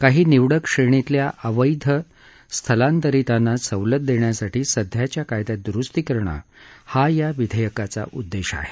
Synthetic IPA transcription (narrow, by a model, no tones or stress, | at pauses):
kaɦiːniʋɽəkʂeɳ̃it̪ljaʔʔəʋəjd̪ʱə | st̪ʰəlãnt̪əɾit̪anːasəwlət̪̚d̪eɳjasaʈiːsəd̪ʱjat͡ɕjakajd̪jad̪ɾust̪ikəɾɳa̰hajaʋid̪ʱəjəkat͡sa̰ʔud̪ːeɕa̰ɦe̥